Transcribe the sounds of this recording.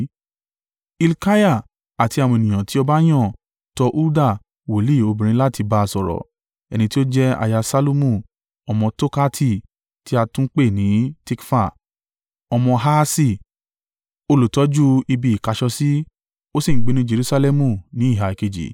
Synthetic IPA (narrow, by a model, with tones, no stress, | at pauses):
i˧lka˦ja˦˨ | a˨ti˨˧a˨w̃ɔ̃˧e˨nĩ˨j̃ã˨ti˦ɔ˧ba˦j̃ã˦˨ | tɔ˧ʔu˦da˦˨ | wo˨li˦˨o˧bĩ˨ɾ̃ĩ˦la˦˨ti˧ba˧˨sɔ˨ɾɔ̰˨ | ɛ̰˧˨nĩ˧ti˦o˦d͡ʒɛ˦a̰˧˨ja˧sa˧lo˧mũ˦˨ | ɔ˧mɔ̃˧to˦ka˦tʰi˧˨ | ti˦a˧tũ˦k͡pe˦˨nĩ˨˦ti˧kfa˦˨ | ɔ˧mɔ̃˧ɦa˦si˦˧˨ | o˧lu˨tɔ˨˦d͡ʒu˦i˧bi˨i˨ka˨˧ʃɔ˧si˦ | o˦si˦˨ɡ͡be˨˦nĩ˦d͡ʒe˧ɾu˦sa˧lɛ˦mũ˧˨nĩ˨˦i˦˨ɦa˨ke˧˨d͡ʒḭ˨